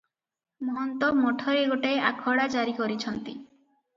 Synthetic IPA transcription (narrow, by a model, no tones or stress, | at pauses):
mɔɦɔnt̪ɔmɔʈʰɔɾeɡoʈaeakʰɔɽad͡ʒaɾikɔɾit͡ʃʰɔnt̪i